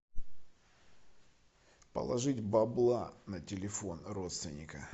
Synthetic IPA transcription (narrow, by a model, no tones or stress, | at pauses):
pə̰lˠɐʐɨtʲbɐblˠanətʲɪlʲɪfo̞nro̞t̪st̪vʲɪnʲɪkə